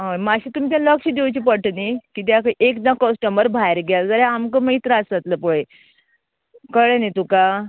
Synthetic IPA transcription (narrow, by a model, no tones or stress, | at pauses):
ɦãmaɕit̪umit̪̬jãləkɕiːd̪ewt͡ɕipəʈənikiːt̪̬jakəʔekd̪ãkɔsʈəməɾbʱajɾɡald͡zəɾeamkəməit̪ɾəasat̪ləpuɭe | kəɭenet̪uka